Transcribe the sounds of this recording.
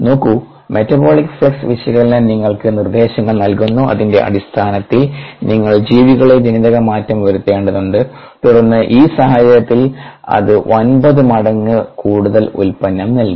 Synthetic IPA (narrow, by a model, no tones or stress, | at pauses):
no̞ːkːu | me̞tːɐbo̞ːɭikːfɭeksʋiʂjɐɣɐɭnniŋːɐɭkɨnird̪e̞ːɕɐŋːɐɭnɐlkunːuɐ̰ðinde̞̰ʔɐ̰ɽist̪ʰaːnɐt̪ːilniŋːɐɭd͡ʑiːʋiɣɐɭe̞d͡ʑiniðɐɣɐmaːtːɐmʋɐɾut̪ːe̞ːɳɖɐðuɳɖɨ | t̪uɽɐrnːɨʔiːsɐɦɐd͡ʑɐjɐt̪ːilɐ̰ðɨʔonbɐðɨmɐɽɐŋːɨkuːɽuðɐlṵlpɐnːɐmnɐlk